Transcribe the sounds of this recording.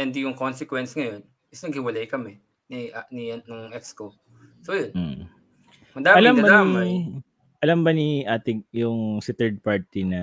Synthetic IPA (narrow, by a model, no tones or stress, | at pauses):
ɛnd̪ijʊŋkonsɛkwɛnsŋɐjo̞n | ʔɪsnɐɡ̚hɪwɐlajkɐmɛ | niniɐnʊŋʔɛksko | sojonm̩ | hɐŋd̪aːɐlamɐbɐd̪nːima | ʔɐlɐmbɐniʔaːt̪ɪjʊŋsɪt̪ɛɹd̪̚paɹt̪inɐ